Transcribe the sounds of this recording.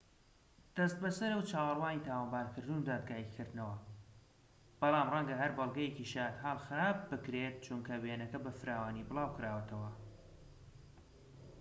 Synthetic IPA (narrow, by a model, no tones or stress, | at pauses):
d̪̥ɐst̪̚bɐsɐɾɐwt͡ʃʰaːwɑlˠwaːnit̪ʰaːwɐmbaːɾkʰɨɾd̪unud̪aːd̪̚ɡaːjikʰɨɾd̪nɐwɐ | b̥ɑlˠɑːmrɐŋɡɐɦɐɾbɐlˠɡɐjeciʃaːt̪ɦaːlˠxɨɾaːb̚ːɨkɾet̪̚t͡ʃunkʰɐwenɐkɐbɐfɨɾaːwaːnibɨlˠaːwkɨɾaːwɐt̪ʰɐwɐ